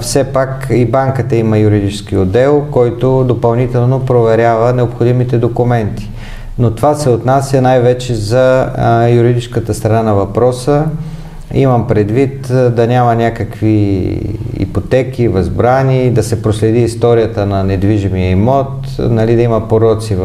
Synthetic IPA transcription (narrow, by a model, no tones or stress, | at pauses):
fsɛpakibaŋkət̪əimɐjuɾid̪it͡ʃɛsk̟iod̪ɛlˠkɔjt̪od̪opɐlˠnit̪ɛlˠnopɾovɛɾʲavənɛopxod̪imit̪ɛd̪okʊmɛnt̪i̥ | not̪ovasɛot̪nasjɐnajvɛt͡ʃɛzɐjuɾid̪it͡ʃskət̪əst̪ɾɐnanɐvɐpɾɔsə | ḭmɐmpɾɛd̪vit̪d̪ɐnʲamɐnʲakəkvi | ḭpot̪ɛk̟ivɐzbɾanid̪ɐsɛpɾoslɛd̪iːst̪ɔɾijət̪ənɐnɛd̪viʒimiɐimɔt̪ | nɐlid̪ɐimɐpoɾɔt̪siv